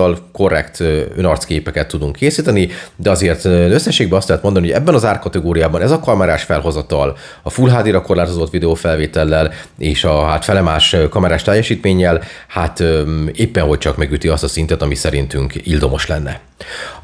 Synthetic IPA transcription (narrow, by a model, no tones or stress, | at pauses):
ɒlko̞rːɛ̰kt̪ønɒrt̪skeːpɛkɛt̪ʰːud̪uŋkːeːsiːt̪ɛnid̪ɛɒzeːrt̪øsːɛʃeːɡ̚bɛɒst̪lɛɦɛt̪mod̪ɒnihoɛ̰bːɛnɒzaːrkɒt̪ɛɡoːɾijaːbɒnɛzɒkɒmɛɾaːʃfɛlɦo̞zɒt̪ɒl | ɒfulɦaːd̪iɾɒko̞rlaːt̪o̞zo̞t̪ːʋid̪ɛoːfɛlveːt̪ɛlːɛleːʃɒɦat̪fɛlɛmaːʃkɒmɛɾaːʃt̪ɛjːɛʃiːt̪meːɲːɛl | hat̪ːeːpːɛnɦo̞c̚t͡ʃɒkmɛɡyt̪iɒst̪ɒsint̪ɛt̪ɒmisɛɾint̪yŋkild̪o̞mo̞ʃlɛnːɛ̰